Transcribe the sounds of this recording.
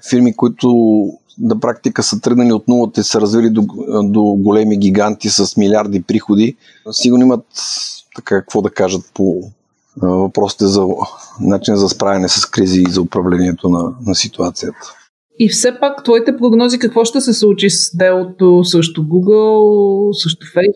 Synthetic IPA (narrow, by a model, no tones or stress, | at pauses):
fiɾmikʊit̪ʊ | nɐpɾak̚t̪ikəsət̪ɾəɡnɐliot̪nulˠət̪ɛsəɾɐzvilid̪od̪oɡolɛmiɡ̟ʲiɡant̪isəsmilʲiaɾd̪ipɾixod̪i | siɡʊɾnimət̪t̪ɐkakɐkvɔd̪ɐkaʒət̪̚po | vɐpɾɔsi̥t̪ɛzɐnat͡ʃinəzɐspɾavʲɐnɛsəskɾiziːzɐʊpɾɐvlɛniɛt̪onɐnɐsit̪uat̪sijət̪ə̥ | ifsɛpakt̪vɔit̪ɛpɾoɡnɔzikɐkvɔʃt̪ɛsɛslˠut͡ʃisd̪ɛlˠot̪osəʃt̪oɡuɡəlˠsəʃt̪ʊfɛ